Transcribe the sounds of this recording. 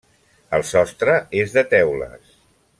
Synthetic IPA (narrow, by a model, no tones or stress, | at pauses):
əlˠsɔst̪ɾəezðət̪ɛwlə̰s